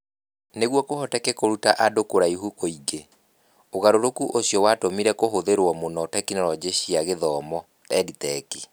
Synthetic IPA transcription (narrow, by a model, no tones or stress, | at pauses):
neɣwɔkohɔtɛkɛkoɾutaʔadokoɾaiɦukoiɡe | oɣaɾoɾokuʔosijɔwatomiɾɛkoɦoðeɾwɔmonɔtɛkineɾwɔd͡ʑeɕiaɣeðɔːmɔ | tɛːditɛki̥